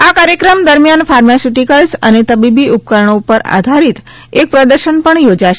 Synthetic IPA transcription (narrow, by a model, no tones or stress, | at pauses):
akaɾjəkɾəmd̪əɾmijanfaɾmasiʈikəlsə̰net̪əbibiʔup̚kəɾəɳ̃oupəɾa̰d̪ʱaɾit̪ | ek̚pɾəd̪əɾʃənpəɳjod͡ʒaʃe